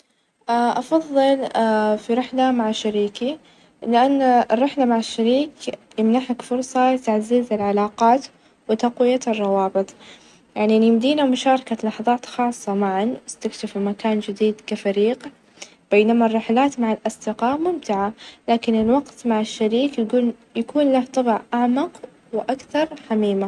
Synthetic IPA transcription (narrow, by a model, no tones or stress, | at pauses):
ʔaʔɑfɑðˤːɨlafiɾɪħlamaʕaʃːaɾiːki | lɪʔanːarˤːɪħlamaʕaʃːaɾiːkjɪmnaħakfʊɾsˤɑlɪt̪aʕziːzɪlʕalaːqɑːt̪ | wɪt̪aqwɪjarˤːɑwɑːbɨt̪ˤ | jaʕninjɪmd̪iːnamʊʃɑːɾˤɑkalɑħðˤɑːt̪xɑːsˤːɑmaʕanwɪst̪akʃɪfimakaːnd͡ʒɪd̪iːd̪kafaɾiːq | b̥eːnamarˤːɪħlaːt̪maʕalʔɑsˤd̪ɪqɑːʔmʊmt̪ɪʕalaːkɪnɪlwɑqt̪maʕaʃːaɾiːkjɡuːl | jakuːnlaht̪ˤɑbʕʔaʕmɑq | wɪʔakθɑɾˤħamiːma